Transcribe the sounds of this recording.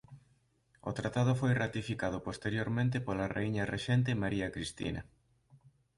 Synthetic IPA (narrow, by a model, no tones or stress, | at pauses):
o̰t̪ɾat̪að̞ʊfojrat̪ifikað̞ʊpost̪eɾjoɾmẽnt̪ɪpolarḛiɲɐreʃɛnt̪̬emaɾiɐkɾist̪ḭnɐ̰